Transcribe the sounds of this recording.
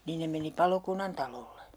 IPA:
niːn ne meni pɑlokunːɑntɑlolːe

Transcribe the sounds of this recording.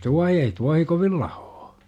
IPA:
tuɑhi ei tuɑhi koʋil lɑ̥hoː

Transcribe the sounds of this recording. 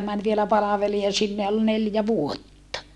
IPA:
mæn ʋielæ pɑlɑʋeliɑ sinːe jɑ ol neljæ ʋuotːɑ

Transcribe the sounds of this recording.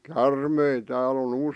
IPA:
kærmei tæːl on

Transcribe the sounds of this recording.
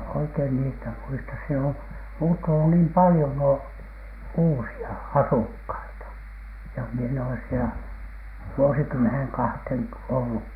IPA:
oikein niːstæ muistɑs siel om muːtːunu niːm pɑlĭjon nuo uːsiɑ ɑsukhɑitɑ jɑ mie en oles sielæ ʋuosikymːenhen kɑhtheˑn olːuk

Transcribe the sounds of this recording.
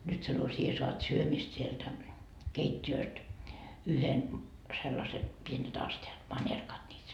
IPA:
nyt sɑno sie soɑt syømist sieltæ keitʲːiøːst yhen selːɑse pienet ɑsteɑt mɑnʲerkɑt niːt

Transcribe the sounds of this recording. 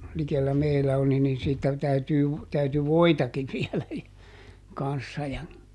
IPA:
likelːæ meilæ oli niːn siːtːæ tæytyː ʋ tæyty ʋoitɑkiʋ ʋiɛlæ kɑn̞sːɑ jɑ

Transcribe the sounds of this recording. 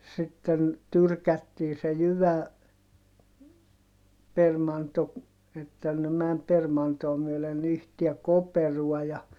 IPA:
sitːen tyrkætːiː se jyʋæ permɑnto etːæ ne mæm permɑntoː myølen yhtiæ koperuɔ jɑ

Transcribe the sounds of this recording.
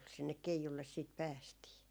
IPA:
sinːek keijulːes siːt pæːstiː

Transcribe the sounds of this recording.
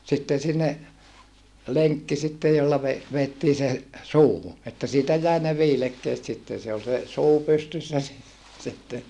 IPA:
sitːen̞ sinːe leŋkːi sitːej jolːɑ ʋe ʋeːtːiː se suːhu etːæ siːtæ jæi ne ʋiːlekːeːt sitːen̞ se ol se suː pystysːæ si sitːen

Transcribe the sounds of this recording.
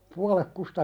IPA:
puɑlek kustɑ

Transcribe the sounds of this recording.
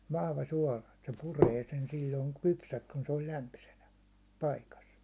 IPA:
ʋɑhʋɑ suɒlɑ et se pureː sen silʲːoiŋ kypsæks kun se ol læmpysenæ pɑikɑs

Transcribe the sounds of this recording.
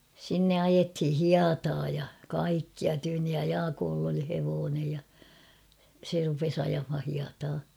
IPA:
sinːe ɑjethi hiɑtɑː jɑ kɑikːiɑ tyːnːij jɑ jɑːkoːlː oli heʋoːnej jɑ se rupes ɑjɑmhɑ hiɑtɑː

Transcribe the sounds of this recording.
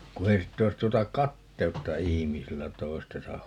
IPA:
ku ei sitː ois tuotɑ kɑtːeutːɑ ihimisilːæ toi̯stesɑh̆

